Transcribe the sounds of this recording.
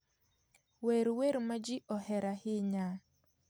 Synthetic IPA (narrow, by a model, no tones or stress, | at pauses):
weɾweɾmad͡ʒɪʔɔhɛɾahɪɲa